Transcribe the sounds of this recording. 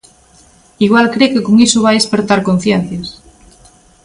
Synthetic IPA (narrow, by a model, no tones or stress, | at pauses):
iɣ̞walkɾekekoŋisuβ̞ajespeɾt̪aɾkon̟θjen̟θjas